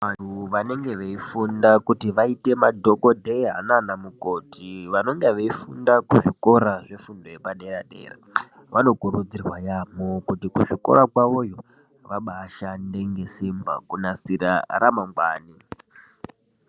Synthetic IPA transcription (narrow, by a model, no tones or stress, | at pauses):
ʋan̤uʋane̞ŋɡe̞ʋeifundakutiʋaite̞madʱo̞ko̞dʱeɦananamuko̞tʰiʋano̞ŋɡeʋeifundakuʐiko̞ɾaʐe̞fundo̞je̞paɗe̞raɗe̞̰ːra̰ | ʋano̞kuɾud͡zirwajamo̞kutikuʐiko̞̰ɾakwaʋo̞jo̞ | ʋaɓaʃande̞ŋɡe̞simba̰kunasiɾa̰ɾamaŋɡwa̰ːni